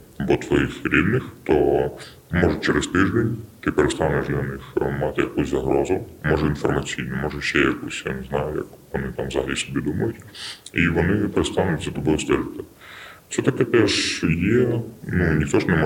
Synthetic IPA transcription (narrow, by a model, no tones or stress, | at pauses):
ɐbɔt̪ʋɔjixɾʲid̪nɪxt̪ɔ | mɔʒʊt͡ʃɛɾest̪ɪʒd̪enʲt̪ɪpeɾest̪ɑnɛʃd̪lʲɐnɪxmɑt̪ɪjɐkusʲzɐɦɾɔzʊmɔʒɛinfɔrmɐt͡sʲijnʊmɔʒɛʃɛjɐkusʲja̰nɛznɑjʊjɐ̰kʋɔnɪt̪ɑmzɐɦɐlʲisɔbʲid̪umɐjʊtʲiʋɔnɪpeɾet̪st̪ɑnʊtʲzɐt̪ɔbɔjɔst̪ɛɾɪt̪ɪ | sɛt̪ɐkɛp̪ɛʂjɛnunʲixt̪ɔʒnɛmɔ